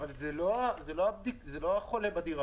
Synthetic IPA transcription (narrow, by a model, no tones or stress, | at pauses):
valzelo̞azeloab̚d̪ikzelo̞aχo̞le̞bad̪iʁa